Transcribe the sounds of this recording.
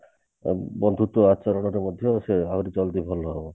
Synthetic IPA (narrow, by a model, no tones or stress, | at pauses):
bɔnd̪ʱut̪ɔat͡ʃɔɾɔɽ̃ɔɾemɔd̪ʱjɔseaɾit͡ʃɔlt̪ibʱɔlɔɦebɔ